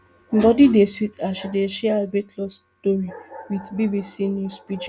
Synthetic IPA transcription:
n̩dɔdideswitʰaʃideʃealbetʰlɔs | toɾiwitbibisinjuspid͡ʒɔ

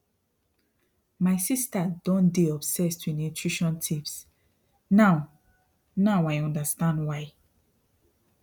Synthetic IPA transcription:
maɪsistadɔ̃ndeɔbsɛstʰunutʰɹiʃɔ̃ntʰips | naʊ | nawajɔ̃ndastãndwaɪ

